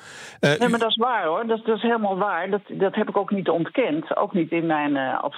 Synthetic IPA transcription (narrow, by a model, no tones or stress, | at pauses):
nejmaːɹdɔtɪsʋaːɹɦoɹdɔdɔɪsɦelˠmaːlˠʋaːɹdɔtdɔtɦɛpɪkowknitɔntkɛnto̰wknitɪnmɛjnɑ̰p